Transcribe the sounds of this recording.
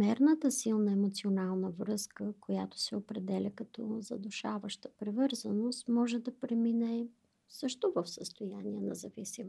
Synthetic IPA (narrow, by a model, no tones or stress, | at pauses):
mɛɾnət̪əsilˠnəɛmot̪sionalˠnəvɾɤskəkojat̪o̥sɛopɾɛd̪ɛlʲəkɐt̪ɔzɐ̰d̪ʊʃavəʃt̪əpɾɛvɤɾzənost̪mɔʒɛd̪ɐpɾɛminɛ | sɤʃt̪ʊvəfsəst̪ojaniɛnɐ̰zɐvisim